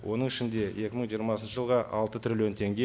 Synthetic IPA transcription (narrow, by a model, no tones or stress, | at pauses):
wʔo̞n̪əɴɪʃɪnd̪e̞je̞kʲɪməɴʒijəɾmɑsənʃəʒəlˠʁɑʔɑlˠt̪ət̪ʰɾilo̞nt̪ʰe̞ŋɡʲe